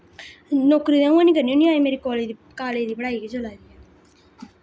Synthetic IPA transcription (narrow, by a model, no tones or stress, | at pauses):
noːkɾiːd̪ẽːũãːnĩːkəɾniːõːniaːemeːɾiːkoːled̪kaːleːd̪iːbəɽaːiɡid͡ʒolaːd̪iːɛː